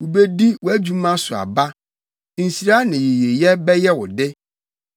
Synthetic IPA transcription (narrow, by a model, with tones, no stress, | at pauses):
wʊ˨be˦di˦wɔ˨æ˦d͡ʑᶣu˦mã˦sʊ˨a̰˨ba˦ | n̩˨si˨ɾa˦nɪ̃˨je˨je˨jɛ˦bɛ˦jɛ˦wʊ˨dɪ˦